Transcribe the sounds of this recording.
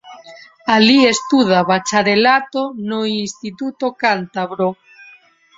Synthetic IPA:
aliest̪uð̞aβat͡ʃaɾelat̪onoinst̪it̪ut̪okant̪aβɾo

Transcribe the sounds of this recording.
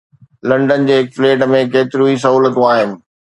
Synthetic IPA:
lɐ̃ɳɖənɪ̆d͡ʑeːɦɪkfleːʈəmẽkeːt̪ɪɾuis̬ɐɦuːlət̪ũaːɦɪnɪ̆

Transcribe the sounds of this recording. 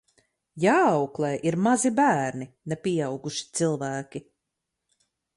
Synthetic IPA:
jaːɑwklˠeːʔiɾmazibæːɾninɛpʲijɑwɡuʃi̥t̪silˠvæːkʲi

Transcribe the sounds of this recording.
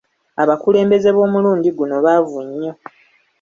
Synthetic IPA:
aβakule̞ːmbe̞ze̞βo̞ːmuluːɲɟiɡuno̞βavuɲːo̞

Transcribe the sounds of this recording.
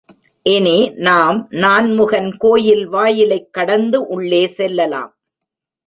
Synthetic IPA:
ʔɛneːnaːmnaːnmʊɣɐnkoːjɪlʋaːjɪlɐɪkːɐɽɐnd̪ɯʔʊɭːeːsɛlːɐla̰ːm

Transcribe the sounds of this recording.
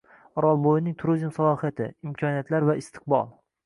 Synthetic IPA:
ɒɾɒlˠbojɪnɪŋt̪ʰʊɾʊzɪmsalˠɒhijat̪ʰɪ̰ɪmkʰɒnijat̪ʰlaɾvaɪst̪ʰɪ̥q̚bɒ̰lˠ

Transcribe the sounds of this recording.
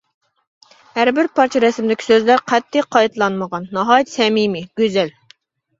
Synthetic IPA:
hæɾbɪɾpʰɑɾt͡ʃʰɑɾɛsɪmd̪ɪkʲʰi̥søzlæɾqʰɛt̪ʰːɪqʰɑjt̪lˠɑnməʁɑnːɑɦɑːjt̪sɛmimɪɡ̥ʲøzɛl

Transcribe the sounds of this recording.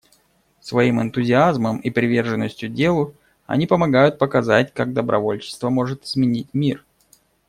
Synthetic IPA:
svɐimɨnt̪ʊzʲɪazməmipɾʲɪvʲe̞rʐɨnːəsʲtʲjʊdʲe̞lˠʊ | ɐ̰nʲipəmɐɡajʊt̪̚pəkɐzatʲkaɡ̚d̪əbɾʔɐ̰vo̞lʲt͡ɕɪ̥st̪vəmo̞ʐɨt̪ɪzmʲɪnʲit̚ʲmʲir

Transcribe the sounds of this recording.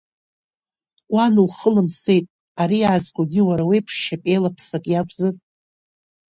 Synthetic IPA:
anulχəlɨmse̞jtʼ | aɾiazɡʷʼaɡʲɪwaɾawejpʰʂʃapʼe̞jlapʰsakʼjakʷʼzɨr

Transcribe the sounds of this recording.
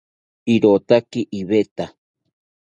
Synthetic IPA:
iɾot̪akiʔiβet̪a

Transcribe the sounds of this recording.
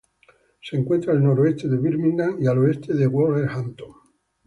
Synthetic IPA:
seŋkwe̞nt̪ɾaelno̞ɾoest̪e̞ðe̞βiɾmĩnd̪aŋialoe̞st̪eðeɣwoleɾhant̪oŋ

